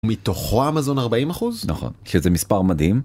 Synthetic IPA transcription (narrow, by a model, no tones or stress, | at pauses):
mitoχo̞amazo̞naʁbaimaχuznaχo̞̰nʃezemispaʁmad̪him